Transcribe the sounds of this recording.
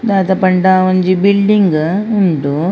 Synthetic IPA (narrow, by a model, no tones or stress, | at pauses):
d̪aːt̪ɐpɐɳɖaːʋɐɲd͡ʒibilɖiŋɡuɳʈu